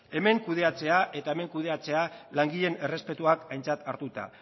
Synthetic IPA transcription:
e̞me̞ŋkuð̞e̞at͡se̞aʔe̞t̪aeme̞ŋkuð̞e̞at͡se̞alaŋɡiʎe̞ne̞re̞spe̞t̪uakajnt͡sat̪aɾt̪ut̪a̰

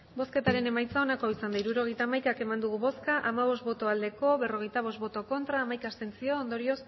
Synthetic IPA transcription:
bo̞ske̞t̪aɾe̞ne̞majt͡sao̞nako̞isand̪aiɾuɾo̞ɣe̞jt̪aːmajkake̞mand̪uɣ̞uβo̞skaʔamaβ̞o̞st̪bo̞t̪o̞ald̪e̞ko̞βe̞ro̞ɣ̞e̞jt̪aβ̞o̞st̪bo̞t̪o̞ko̞nt̪ɾaːmajkast̪e̞nsio̞ːnd̪o̞ɾio̞s

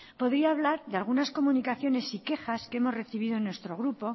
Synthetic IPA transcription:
po̞ðɾiaːβlaɾðealɣ̞unasko̞munikaθjo̞ne̞sike̞xaskeemo̞zre̞θiβ̞iðonwe̞st̪ɾo̞ɣɾupo̞

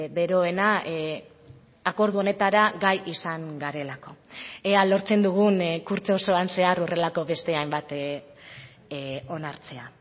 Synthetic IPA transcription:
be̞ɾo̞e̞na | ako̞ɾð̞uo̞ne̞t̪aɾaɡajisaŋɡaɾe̞lako̞ealo̞ɾt͡se̞nd̪uɣ̞unkuɾt͡so̞so̞anse̞arore̞lako̞βe̞st̪e̞ajmbat̪ | o̞naɾt͡se̞a

